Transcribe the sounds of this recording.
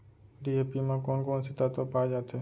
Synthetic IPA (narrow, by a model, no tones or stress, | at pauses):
ɖiːeːpimãːkoːnkoːnsɪt̪aːt̪opaːd͡ʒaːt̪ʰeː